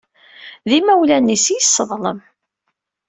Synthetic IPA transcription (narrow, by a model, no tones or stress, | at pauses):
ðimæwlænːisijəsːəðˤləm